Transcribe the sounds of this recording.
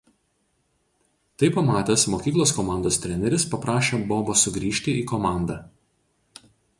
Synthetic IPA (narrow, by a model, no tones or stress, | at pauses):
t̪ɐɪpɐmɑːt̪ʲesmoːkʲiːklˠoːskɔmɑˑnd̪oːst̪ʲɾʲɛnʲɛɾʲɪspɐpɾɑːʃʲoːboːboːsʊɡɾʲiːʃʲt̪ʲɪiːkɔmɑˑnd̪ɑː